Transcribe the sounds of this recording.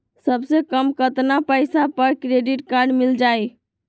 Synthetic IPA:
səbsekəmkət̪napəjsapəɾkɾeɖiʈkaɾɖmild͡ʒaj

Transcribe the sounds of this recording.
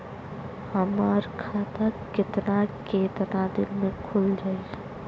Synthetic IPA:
hɐmaːɾkʰaːt̪akɪt̪nakeːt̪nad̪ɪnmẽkʰʊld͡ʒaːi

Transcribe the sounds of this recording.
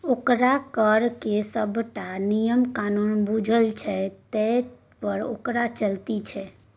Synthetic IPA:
okɾakəɾkesəbʱʈanijəmkanunbud͡ʒʱəlt͡ʃʰɛt̪ə | pəɾo̰kɾat͡ʃəlt̪it͡ʃʰɛ

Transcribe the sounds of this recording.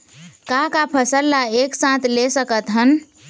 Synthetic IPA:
kakapʰəsəlːaeksãt̪ʰlesəkət̪ɦən

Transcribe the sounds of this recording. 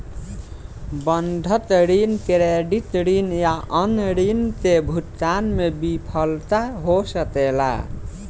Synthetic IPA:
bənɖʱət̪ɾinkɾeɖit̪ɾinjaʔənɾint̪ebʱutanmebipʰəlt̪aɦosət̪ɛla̰

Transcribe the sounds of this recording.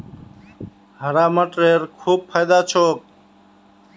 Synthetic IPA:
həɾaːməʈɾeːɾkʰuːb̚pʰaːjd̪aːt͡ʃʰoːk̚

